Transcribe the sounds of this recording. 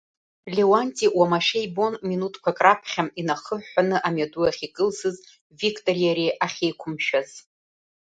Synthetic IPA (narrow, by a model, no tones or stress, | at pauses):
lʲewanʲtʼiwamaʃejbo̞nminutʰkʷʰakʼrapʰχʲaminaχəħʷanɨʔamaduaχʲikʼɨlsɨz | vikʰʼtʼo̞rijaɾeʔaχʲejkʷʰʊmʃᶣaz̥